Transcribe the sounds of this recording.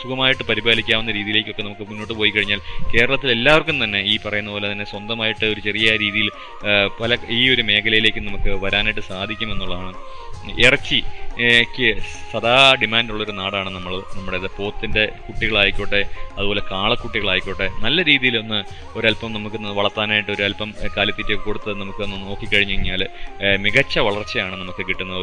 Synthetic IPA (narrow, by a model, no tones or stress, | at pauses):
sukʰɐmaːjiʈːɨpɐɾibaːlikʲːaːmunːɐɾiːðijile̞ːk̬ʲːo̞kːe̞nɐmukːɨmunːo̞ːʈːɨpoːjikːɐɻiɲːaːlke̞ːɾɐɭɐt̪ːile̞lːaːʋɐrkʲːumt̪ɐnːe̞iːpɐrɐjunːɐpoːlet̪ɐnːe̞swɐnd̪ɐmaːjiʈːɨo̞ɾut͡ɕe̞rijɐɾiːðijil | pɐlɐiːo̞ɾume̞ːkʰɐlɐjile̞ːkʲːɨnɐmukːɨʋɐɾaːniʈːɨsaːd̪ʱikʲːume̞nːuɭːɐðaːɳɨ | erɐt͡ɕːikʲːɨsɐd̪aːɖimaːnduɭːɐoɾunaːɽaːɳɨnɐmːɐɭnɐmːuɽeiðɨpo̞ːt̪ːinde̞kuʈːiɣɐɭaːjikʲːoɳːeɐðubo̞ːle̞kaːɭɐkːuʈːiɣɐɭaːjikʲːoɳːenɐlːɐɾiːðijilo̞nːɨ | o̞ɾɐlpɐmnɐmukːɨnʋɐɭɐrt̪ːaːnaːjiʈːɨo̞ɾuɐlpɐmkaːljɐt̪ːitːekoɽut̪ːɨnɐmukːɨnːɨno̞ːkːikːɐɻiɲːɐɐɲːaːlmiɣɐt͡ɕːɐʋɐɭɐrt͡ɕːɐjaːɳɨnɐmukːɨkiʈːunːɐ